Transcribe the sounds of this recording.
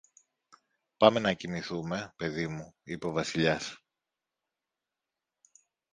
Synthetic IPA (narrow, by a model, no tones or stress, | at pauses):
pɐme̞nɐcimiθume̞pe̞ðimuipo̞vɐsiʎɐs